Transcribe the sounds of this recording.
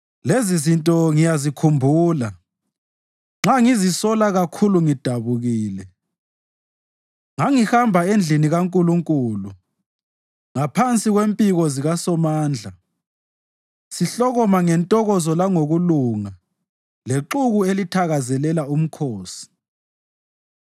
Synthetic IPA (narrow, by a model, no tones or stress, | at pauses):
lezizintʼɔŋijazikʰumbʱuːla | ŋ͡ǁaŋizisɔlaɣakʰuluŋid̥ʱaβuɣiːlɛ | ŋaŋihambʱaend͡ɮʱiniɣaŋkʼuluŋkʼuːlu | ŋapʰant͡sʼiɣwempʼiɣɔziɣasɔmaːnd͡ɮʱa | siɬɔɣɔmaŋɛntʼɔɣɔzɔlaŋoɣuluŋa | leǁuɣuelitʰaɣazɛlɛlaum̩kʰoːsi̥